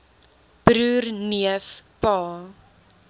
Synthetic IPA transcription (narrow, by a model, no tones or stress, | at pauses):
b̥ɾuːrniəfpɑː